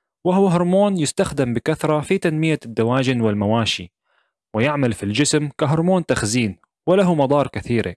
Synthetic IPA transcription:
wɪhʊwaɦʊɾˤmoːnjɪst̪axd̪ɪmbɪkaθɾˤɑfit̪anmɪjad̪ːawaːd͡ʒɪnwɪlmawaːʃḭ | wɪjɪʕmalfild͡ʒɪsmkaɦʊɾˤmoːnt̪axziːn | wɪlaɦumɑd̪ˤɑːɾˤkɪθiːɾḛ

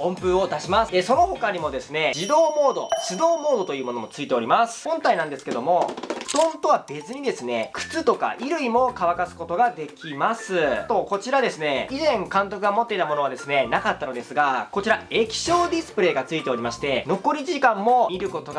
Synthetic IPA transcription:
õ̞mpɯ̟o̞d̪aɕimasɨeso̞no̞ɦo̞kaɲ̟imo̞d̪e̞sɨne̞d͡ʑid̪o̞ːmo̞ːd̪o̞̰ɕɨd̪o̞ːmo̞ːd̪o̞t̪o̞jɯ̟ːmo̞no̞mo̞t͡sɨit̪e̞o̞ɾʲimasɨ̥hõ̞nt̪ainãnd̪esɨ̥ke̞d̪o̞mo̞d̪̥õ̞nt̪o̞βabe̞t͡sɨɲ̟id̪e̞sɨne̞kɯ̟̥t͡sɨt̪o̞ka̰ʔiɾɯ̟imo̞kaβ̞akasɨ̥ko̞t̪o̞ɡad̪e̞kʲimasɨt̪o̞ko̞t͡ɕiɾad̪e̞sɨne̞izẽ̞ŋkãnt̪o̞kɯ̟ɡamot̪ːe̞it̪amono̞βad̪e̞sɨne̞nakat̪ːano̞d̪e̞sɨɡako̞t͡ɕiɾae̞kʲi̥ɕo̞ːd̪ʲisɨ̥pɯ̟ɾe̞ːɡat͡sɨit̪e̞o̞ɾʲimaɕi̥t̪e̞no̞ko̞ɾʲiʑikãmːo̞mʲiɾɯ̟ko̞t̪o̞ɡa

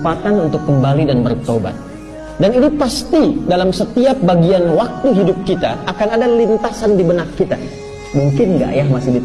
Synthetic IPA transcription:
pat̪anunt̪ʊkːəmbalidanbərt̪oba̰t̪̚ | danit̪upast̪idalamsət̪iap̚baɡianwak̚t̪uɦidʊp̚kit̪aːkanadalint̪asandibənakːit̪a̰ | muŋkɪnŋɡa̰ʔjahmasɪhdit̪

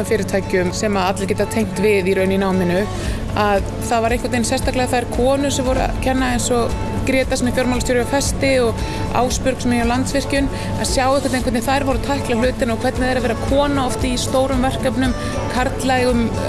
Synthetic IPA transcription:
fɪːɾɪt̪ʰaːjcʏmsɛmaðat̪lac̬ɛːt̪at̪ʰejŋ̥t̪vɪðiɾœːɥninaːwmɪnʏ | að | θaðvaɾejhŋkʰvat̪ejnsɛst̪ahklɛɣaθaɾkʰɔːnʏsɛmvɔɾ̰cʰɛnːaðejnsɔ | kɾjɛːt̪asmɛfjɔɾmalst̪owɾʏafɛst̪ɪɔɣ | a̰ːwspʏɾksmɛnawlant̪svɪr̥cʏn | a̰ðsjawɪhkʰɛt̪ejŋkvɛt̪ɪθajɾvɔɾʏt̪ʰajhklahlʏːt̪ɪnɔɣkʰvɛɾt̪nɪðɛɾavɛːɾakʰɔːnaɔft̪ɪist̪oːwɾʏmvɛr̥kapnʏm | kʰaɾt̪lajɣʏm

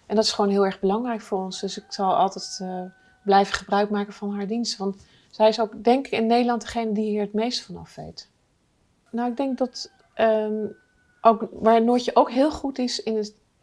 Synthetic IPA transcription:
ʔɛndɑtɪsχʋownɦɪːlˠɛɹχbəlɑŋrɛjkfʊːɹɔnsdɵsɪksɑlˠɑ̰lˠtɛtː | blɛjvəχəbrœɥkmaːkəvɑnɦaːɹdinstʋɑnt | sɛjɪsowkdɛŋkɪkɪnːejdəlɑndəχejnədiɦiːɹɦətmejstə̥fɑnɑ̰fʋḛjt | nawɪɡ̚dɛŋk̚dɑt | ʔə | ʔowkʋaːɹənʊːɹjəʔowkɦɪːlˠχutɪsɪnət

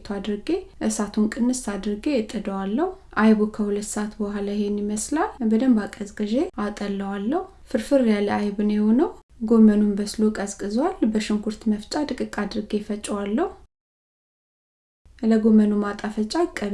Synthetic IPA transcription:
t̪ʰoad̪ɾɨɡe̞ʔɨsat̪ʰunkʼɨnːɨst̪ʰad̪ɾɨɡeɪt̪ʼːəd̪əwalːəhuʔajβukʰəhulət̪ːsaat̪bəwɦalajɪhenjɪməslalbəd̪əmbakʼəzkʼɨʒeat̪ʼəlːəwalːəhu | fɨɾfɨɾjaləajβɨnjehonəwɡo̞mənumbəslokʼəzkʼɨzwalbəʃɪŋɡuɾt̪məft͡ʃʼad̪ɨkʼɨkʼad̪ɨɾɨɡe̞fət͡ʃʼɛwalːəhu | ləɡo̞mənumat̪ʼafət͡ʃʼakʼːə

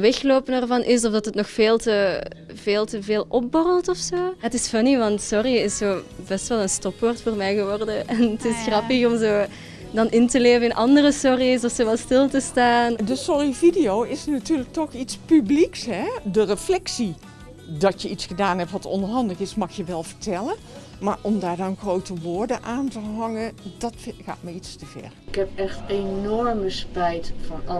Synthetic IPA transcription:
ʋɛxloːpənɛrvɑnʔɪsɔfdɑtətnɔxfeːlˠtə | v̥eːlˠtəveːlˠʔɔp̚bɔrəlˠtɔfsoːətɪsfɑniʋɑntsɔriɪsoːbɛstʋɛlˠənstɔpʋɔːrtfoːrmɛjɣəʋɔrdəɛnətɪsxrɑpəxɔmzoː | dɑnʔɪntəleːvənɪnʔɑndərəsɔrisɔfsoːʋɛlˠstɪlˠtəstaːndəsɔɹividijowɪsnatyːrlək̚tɔxitspybliksɦɛdərəflɛksi | dɑtjəitsxədaːnɦɛptʋɑtɔ̰ndəɹɦɑndələɣɪsmɑxjəʋɛlˠvəɹtɛlən | maːɹʔɔmdaːɹdɑnɣrowtəʋʊːɹdəʔaːntəɦɑŋəndɑtxa̰ːtməɹitstəv̥ɛ̰ɹkɦɛpɛxtenɔɹməspɛjtfɑnɑ

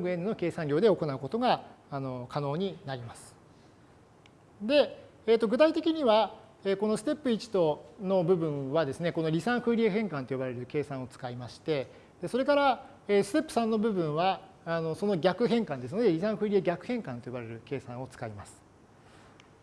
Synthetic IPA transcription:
ɡɯ̟ẽnːɯno̞ke̞ːsãɲʲo̞ːd̪e̞o̞ko̞naɯ̟ko̞t̪o̞ɡaːno̞kʰano̞ːɲ̟inaɾʲimasɨ̥ | d̪e̞ː | t̪ːo̞ɡɯ̟t̪ait̪e̞kʲiɲ̟iβa | eːko̞no̞sɨ̥t̪e̞pːɯ̟it͡ɕi̥t̪o̞no̞bɯ̟bɯ̟̃ɰ̃βad̪e̞sɨne̞ko̞no̞ɾʲisãɰ̃kɯɾʲieɦẽŋkãnt̪o̞jobaɾe̞ɾɯ̟ke̞ːsãɰ̃o̞t͡sɨ̥kaimaɕi̥t̪e̞ | d̪̥e̞so̞ɾe̞kaɾa | eːsɨ̥t̪e̞pːɯ̟̥sãnːo̞bɯ̟bɯ̟̃ɰ̃βaː | no̞so̞no̞ɡʲakɯ̟ɦẽ̞ŋkãnd̪e̞sɨnod̪e̞ɾʲisãɰ̃kɯɾʲieɡʲakɯ̟hẽ̞ŋkãnt̪ojobaɾe̞ɾɯ̟ke̞ːsãɰ̃o̞t͡sɨ̥kaimasɨ̥

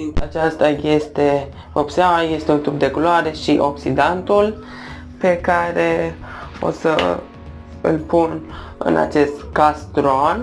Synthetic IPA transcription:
int̪at͡ʃast̪aje̞st̪e̞ | opsabaje̞st̪eunt̪up̚d̪e̞kuloaɾe̞ʃiʔo̞ksid̪ant̪ul | pe̞kaɾeo̰sə̰ | ɨ̰lpun | ɨ̰nʔa̰t͡ʃe̞st̪kast̪ɾon

